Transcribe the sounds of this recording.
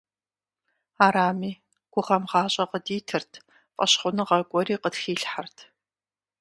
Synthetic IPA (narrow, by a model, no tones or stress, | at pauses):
aːɾaːmiː | ɡ̥ʷʊʁɐmʁɑːɕʼɐqədiːtʰɨrtʰ | fʼɐɕχʷʊnɨʁɐɡʷʼɔɾiːqətxiːɬħartʰ